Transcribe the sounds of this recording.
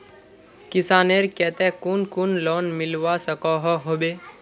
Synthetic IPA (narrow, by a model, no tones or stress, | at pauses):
kɪsaːneɾkɛːt̪ɛkunkunlɔnmɪlʋasəkɔɦɔɦobe